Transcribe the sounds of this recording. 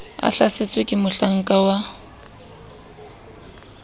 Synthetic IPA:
a̰ɬaset͡sʼwekʼɪmʊɬaŋ̩kʼawa

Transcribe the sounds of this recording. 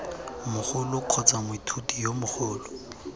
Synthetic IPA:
mʊχʊlʊkʰɔt͡sʼamʊitʰutijomʊχʊːlɔ

